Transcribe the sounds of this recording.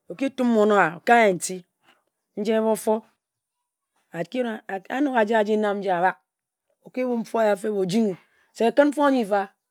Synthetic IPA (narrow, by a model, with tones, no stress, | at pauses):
o˨ki˦tu˦mː˦o˨no˦a˨o̰˨ka˦je˨n̩˨ti˦ | n̩˦d͡ʒe˦e˦βo˦fo˦ | a˨ki˦˨a˦no˦ka˨d͡ʒa˦a˨d͡ʒi˦na˦m˦n̩˦d͡ʒa˦a˨ba˦k̚ | o˨ki˦wu˦ɱ̩˦fo˦a˦ja˨fe˦bo˨d͡ʒi˦ŋi˨ | se˨a˨kɨ˦nm̩˦fo˦a˦ɲi˦˨fa˦